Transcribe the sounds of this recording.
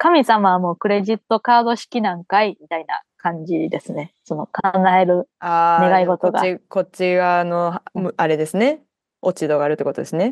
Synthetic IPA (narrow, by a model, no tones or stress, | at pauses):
kamʲisamaβmo̞ːkɯ̟ɾe̞ʑit̪ːo̞kaːd̪o̞ɕi̥kʲinãŋkaimʲit̪aina̰kãɲ̟d͡ʑid̪e̞sɨne̞so̞no̞kãŋɡaeɾɯ̟aːne̞ɡaiɡo̞t̪oɡa̰iko̞t͡ɕiɡano̞mɯaɾe̞d̪e̞sɨne̞ | o̞t͡ɕid̪o̞ɡaːɾɯt̪ːekot̪od̪e̞sɨne